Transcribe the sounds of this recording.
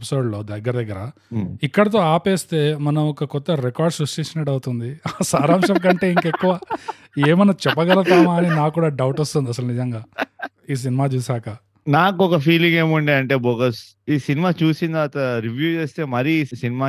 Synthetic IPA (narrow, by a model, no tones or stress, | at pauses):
pi̥soːɖlo̞ːd̪ɐɡːɐɾɐd̪ɐɡːɐɾɐ | ikːɐɽɐt̪̬o̞ːaːpeːst̪e̞ːmɐnɐmɔkɐkɔt̪ːɐɾekaːɾɖsɾuʂʈit͡ʃinɐʈɐwt̪und̪iasaːɾaːmʂɐmk̬ɐɳʈe̞ːiŋkekːuʋaː | eːmɐnɐt͡ʃɛpːɐɡɐlɐt̪aːmaːninaːkuːɽaːɖɐwʈost̪und̪iɐs̬ɐlɐnid͡ʒɐŋɡaː | iːs̬inimaːt͡ʃuːsaːkɐ | naːkuɔkɐpʰiːliŋɡe̞ːmuɳɖeɐɳʈeːboːɡɐs | iːsinimaːt͡ʃuːsind̪ɐʋɐːt̪ɐɾiʋjuːt͡ʃeːst̪eːmɐɾisinimaː